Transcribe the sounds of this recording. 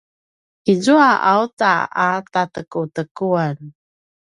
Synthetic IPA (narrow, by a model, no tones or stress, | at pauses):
izuaʔautaatatəkutəkuan